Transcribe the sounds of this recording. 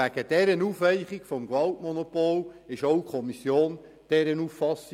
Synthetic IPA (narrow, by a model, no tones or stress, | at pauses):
æɡ̥əd̥ɛɾənuːfʋɛɪχikfɔmɡʋɑltmɔnopolɪʃowkʰχɔmisjoːn | d̥ɛɾənufːɑs